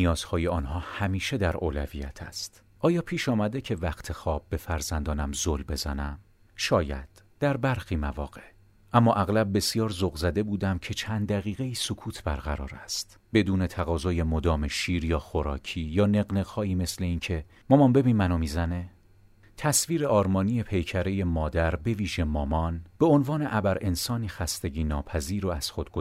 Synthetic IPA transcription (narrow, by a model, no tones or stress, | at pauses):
nijɒːz̥hɒːjeɒːnɦɒːhæmiːʃe̞d̪æɾʔoːlævḭjæ̰t̪ʰæst̪ | ʔɒːjɒːpʰiːʃɒːmæd̪e̞cʰe̞væχt̪ʰe̞xɒːb̚ːe̞fæɾzænd̪ɒːnæmzolbe̞zænæm | ʃɒːjæ̰d̪̥d̪̥æɾbæɾxiːmævɒ̰ːɣe̞ | ʔæmːɒːʔæɣlæb̚ːe̞sjɒːɾzoɣzæd̪e̞buːd̪æmcʰe̞t͡ʃʰænd̪æɣiːɣe̞iːsokʰuːt̪ʰbæɾɣæɾɒ̰ːɾæst̪ | b̥e̞d̪uːne̞t̪ʰæɣɒːzɒːje̞mod̪ɒːme̞ʃiːɾjɒːxoɾɒ̰ːcʰiːjɒːne̞ɣne̞ɣhɒːiːme̞sle̞iːncʰe̞ | mɒːmɒnbe̞biːnmænɒːmiːzæne | t̪ʰæsviːɾe̞ɒːɾmɒːniːje̞pʰe̞jcʰæɾe̞je̞mɒːd̪æɾbe̞viːʒe̞mɒːmɒnb̥e̞onvɒːne̞ʔæbæɾʔe̞nsɒːniːxæst̪e̞ɟiːnɒːpʰæziːɾoæz̥xo̞d̪̚ɡo